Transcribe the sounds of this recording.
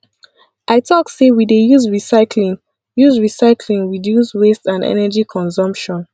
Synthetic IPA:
ʔaɪtʰɔksewidejuzɹisaɪkʰlĩŋ | juzɹisaɪkʰlĩŋɹidjuswestãndɛ̰nɛd͡ʒikʰɔ̃nsɔ̃mpʃɔ̃n

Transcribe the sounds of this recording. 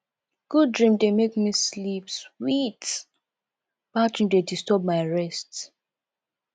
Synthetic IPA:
ɡ̥ud̚dɹĩmdemekmislipswit | badɹĩmdedistɔb̚maɪɹɛst

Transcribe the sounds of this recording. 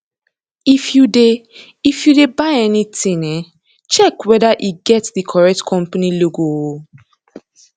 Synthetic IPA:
ifjude | ifjudebaɪɛnitĩnɛ | t͡ʃɛkwɛdaʔiɡɛtdikʰɔɹɛk̚tkʰɔ̃mpaniloɡoo

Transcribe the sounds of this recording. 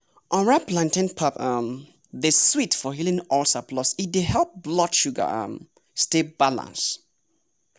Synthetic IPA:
ʔɔ̃nɹaplãntɛ̃npʰaθam | ðeswitfɔɦilĩŋɔlsapʰlɔsidehɛlˠp̚blɔtʃuɡə̰ã̰m | stebalã̰ns

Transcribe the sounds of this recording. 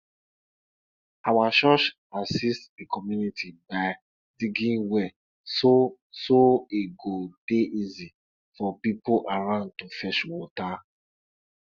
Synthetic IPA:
awaʃɔʃ | asistdikʰɔmjunitʰibaɪ | diɡĩnwɛ | so | soiɡod̥eʔizi | fɔpipoʔaɹãʊ̃nd̚tufɛʃwɔta

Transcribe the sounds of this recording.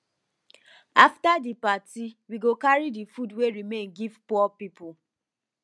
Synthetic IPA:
aftadipatiwiɡokaɾidifudweɾimẽnɡivpɔɔpipʊ

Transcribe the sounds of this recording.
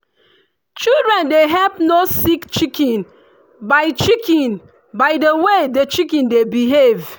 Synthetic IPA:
t͡ʃildɹɛ̃ndeɦɛlpnosikt͡ʃikĩn | baɪt͡ʃikĩn | baɪdəwedət͡ʃikɛ̃ndebiɦev

